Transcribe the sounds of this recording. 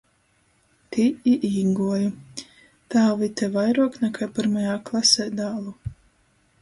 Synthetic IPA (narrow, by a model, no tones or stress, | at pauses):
t̪iiʔiːɡuɔju | t̪aːvit̪ɛvajɾuɔknɛkajpiɾmajaːklˠasɛːd̪aːlˠu